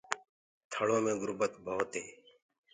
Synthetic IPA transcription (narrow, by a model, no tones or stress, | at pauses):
t̪ʰəɽõːmẽːɡʊɾbət̪bʱoːt̪ɦeː